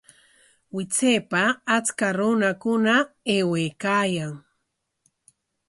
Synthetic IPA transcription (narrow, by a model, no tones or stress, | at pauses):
wɪt͡seːpaːt͡skaɾʊnakʊnaeweːkaːjaŋ